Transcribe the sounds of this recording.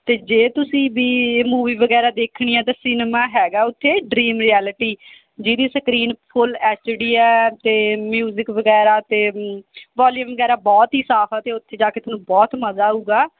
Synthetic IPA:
t̪eːd͡ʒeːt̪ʊsĩːbiːmuːʋiːʋəɡɛːɾaːd̪eːkʰɳiːɛ̃ːt̪ãːsɪnmaːɦɛːɡaːʊt̪ʰːeːɖɾiːmɾiːɛːlɪʈiː | d͡ʒiːd̪iːsəkɾiːnpʰʊlɛːst͡ʃɽiːɛːt̪eːmjuːzɪkʋəɡɛːɾaːt̪eːʋaːljuːmʋəɡɛːɾaːbɔːt̪ɦiːsaːpʰaːt̪eːʊt̪ʰːeːd͡ʒaːkeːt̪ʊnũːbɔːt̪məzaːɦuːɡaː

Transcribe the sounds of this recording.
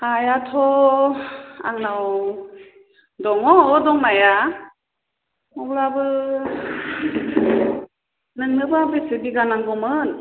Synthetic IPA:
ajatʰɔ | a̰ŋnaw | dɔŋɔːdɔŋnaja | ɔblabɯ | nɯŋnɯbabesɯbiɡanaŋɡɔmɯn

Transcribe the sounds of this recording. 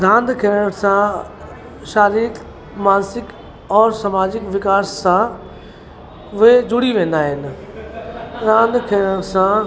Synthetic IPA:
ɾãːnd̪kʰiəɽ̃sã | ʃaːɾiːk | maːnsɪk | ɔːɾsɐmaːd͡ʑɪkʋɪkaːssã | ʊɦed͡ʑʊɽiʋẽːn̆d̪aːɦɪnɪ̆ | d̪ãːnd̪kʰiəɽ̃sã

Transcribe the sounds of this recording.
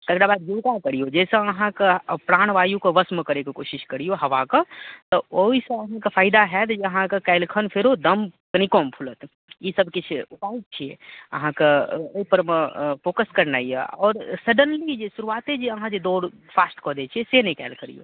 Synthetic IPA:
t̪ɐkɾabaːd̪juk̪akəɾijod͡ʒɛːseɐɦãkepɾaːɽ̃ʋaːjukoʋəsmkəɾekikoːʃɪʃkəɾijoɦɐʋakət̪ɔoːiseɐɦãkəpʰaːɪd̪aɦɛt̪d͡ʒiəɦãkekɛɪlkʰənpʰeɾod̪əmkəñikɔːmpʰulət̪ | jisəbkit͡ʃʰupaːit̪̚t͡ʃʰiḛɐ̰ɦãkeoipəɾməpoːkəskəɾnaiḛɔːɾsəɖənlid͡ʒesuɾuaːt̪ed͡ʒeəɦãd͡ʒed̪oːɽ | pʰaːsʈkɔːd̪et͡ʃʰiesenəikɛ̰ːlkʰəɾḭjo̰

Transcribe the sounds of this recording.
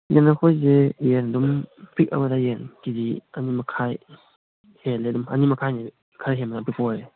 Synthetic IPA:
jɛnakʰɔjzejɛndumpik̚a̰badajɛnkidianimakʰaj | hɛlɛdumʔanimakʰajni | kʰaɾɦɛmnapipɔj

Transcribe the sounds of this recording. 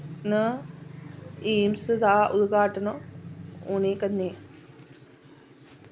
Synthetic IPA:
nə | iːmsɨd̪aːʔud̪ɡaːʈɐnɐ | uːnekɐnːe

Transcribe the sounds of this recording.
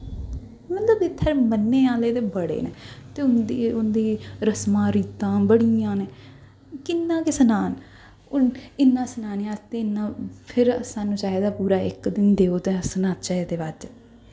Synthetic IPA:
mət̪ləbɪt̪ʰːəɾmənːeːaːleːt̪eːbəɽḛːnḛːt̪eːʊnd̪iʊnd̪iːɾəsmãːɾiːt̪ãːbəɽijãːneː | kɪnːãːkesənaːn | ʊɪnːãːsənaːnjãːt̪eːɪnːãːpʰɪɾsaːnũːt͡ʃaːed̪aːpuːɾaːɪ̰kd̪ɪnd̪eːoːt̪eːsənaːt̪t͡ʃaːɦeːd̪eːʋad͡ʒ

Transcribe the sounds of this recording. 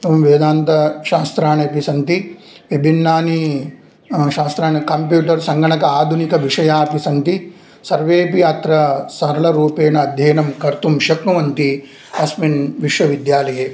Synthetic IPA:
ɐmʋeːd̪aːnt̪ɐʃaːst̪ɾaːɳɐpisɐnt̪i | ʋɐbʱinːaːni | ʃaːst̪ɾaːɳɐkɐmpjuːʈɐɾsɐŋɡɐɳɐkɐaːd̪ʱunikɐʋiʂɐjaːɐpisɐnt̪i | sɐɾʋeːpiaːt̪ɾɐsɐɾɐɭɐɾuːpeːnɐːd̪ʱjɐːnɐmkɐɾt̪umʃɐknuʋɐnt̪i | ɐsminʋiʂʋɐʋid̪jaːlɐjeː

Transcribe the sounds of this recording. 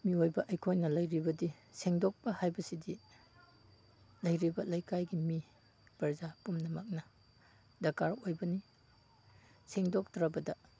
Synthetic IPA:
miojbɐʔɐjkʰojnɐlɐjɾibɐdiseŋdɔk̚pɐhajbɐsidi | lɐjɾibɐlɐjkajɡimi | pɐɾzapumnɐmak̚nɐ | dɐkaɾojbɐni | seŋdɔk̚tɾabɐdɐ

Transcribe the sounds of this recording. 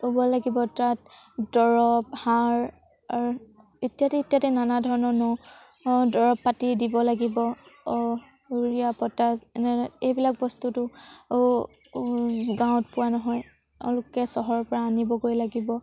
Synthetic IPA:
ubɔlaɡibɔtat̚ | dɔɹɔphaɹ | aɹu | etijatɛitijatɛnanadʱɔɹɔnɔnɔ | dɔɹɔpːatidibɔlaɡibɔ | uɹiapɔtanɛejbilak̚bɔstutʊ | ɡãw̃tpʊwanɔɦɔj | ɔ̰lʊkɛsɔɦɔɹɔpɔɹaːnibɔɡojlaɡibɔ

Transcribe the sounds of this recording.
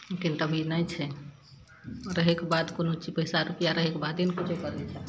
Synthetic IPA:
lekint̪əbʱinəjt͡ʃʰɛ | ɾəɦekebad̪konot͡ʃipəɦjsaɾupijaɾəɦekebad̪enkut͡ʃʰokəɾnɛt͡ʃʰɛ

